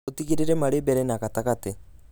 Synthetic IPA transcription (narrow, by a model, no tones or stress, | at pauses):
utikiɾiɾemaɾibeɾenakatakati